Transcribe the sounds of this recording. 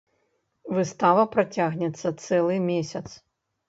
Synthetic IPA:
vɨst̪avɐpɾat͡sʲaɣnʲɛt̪sːɐt̪sɛlˠɨmʲesʲɐt̪s

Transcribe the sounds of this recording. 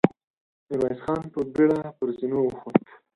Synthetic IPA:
nɪɾɑjsxɑnpəbeɽapəɾzinoxot̪

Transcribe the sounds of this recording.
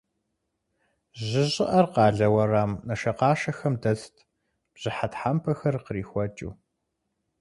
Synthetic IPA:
ʑɪʑɪʔɐrqɑːɮɐwɐraːmnɐʃɐqɑːʃɐxɐmdɐstʰ | b̥ʑ̥ɨħatħampʰɐxɐrqəriːxʷɔt͡ʃʼṵː

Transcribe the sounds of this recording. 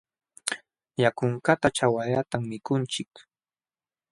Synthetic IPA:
jakʊŋkat̪at͡ʃawaʎat̪amːɪkʊnt͡ʃɪk

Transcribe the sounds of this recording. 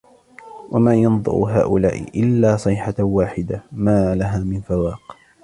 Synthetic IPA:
wʔamaːjɑnðˤʊ̰ɾ̰ɦa̰ːʔʊlaːʔɪ̰ʔɪlːaːsˤɨːħawaːħɪd̪amaːlaɦaːmɪnfawɑːq

